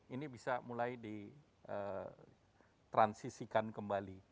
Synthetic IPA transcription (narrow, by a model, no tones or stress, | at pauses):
inibisamulajdi | ʔə̰ | t̪ɾansisikankəmbali